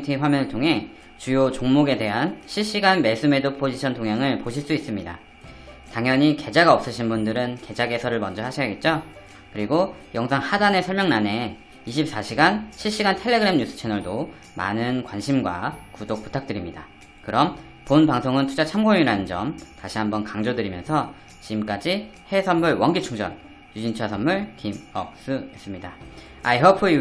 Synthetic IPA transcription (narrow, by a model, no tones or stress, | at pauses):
tʰiɸwamjʌnɯɭtʰoŋɦe̞ | t͡ɕujot͡ɕoŋmoɡe̞de̞ɦanɕʰiɭɕ͈iɡanmes͈ɯme̞dɯpʰod͡ʑiɕʰʌntoŋɦjaŋɯɭpoɕʰiɭs͈uis͈ɯmɲida̰ | taŋjʌɲike̞d͡ʑaɡaʌp̚s͈ɯɕʰinbundɯɾɯnke̞d͡ʑaɡe̞sʰʌɾɯɭmʌnd͡ʑʌɦhaɕʰijaɡe̞t̚t͡ɕ͈o | kɯɾiɡojʌŋsʰaŋhadane̞sʰʌɭmjʌŋnane̞ | iɕ̬ʰip̚s͈aɕʰiɡanɕʰiɭɕ͈iɡantʰe̞ɭːe̞ɡɯɾe̞mɲus͈ʰɯ̥t͡ɕʰenʌɭdoː | a̰nɯnkwanɕʰimɡwa̰kudok̚p͈u̥tʰak̚t͈ɯɾimɲida | kɯɾʌm | ponpaŋsʰoŋɯntʰud͡ʑat͡ɕʰamɡojŋiɾanɯnd͡ʑʌ̰mtaɕʰiɦambʌnkaŋd͡ʑodɯɾimjʌ̰nsʰʌ | t͡ɕimk͈ad͡ʑi | he̞sʰʌnːuɭwʌŋɡit͡ɕʰuŋd͡ʑʌ̰n | jud͡ʑint͡ɕʰasʰʌnmːuɭkimʌk̚s͈ɯe̞s͈ɯmɲida | aiɦʌpʰɯ